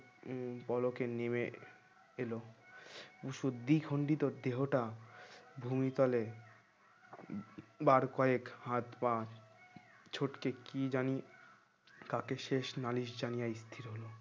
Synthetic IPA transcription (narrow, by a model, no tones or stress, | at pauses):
pɔlokeneme | elo | buʃud̪ikʰoɳɖit̪oɾd̪eɦoʈa | bʱumit̪ɔle | baɾkɔekhãt̪ba | t͡ɕʰoʈkekid͡ʑani | kakeʃeʃnaliʃd͡ʑanijaist̪ʰiɾɦolo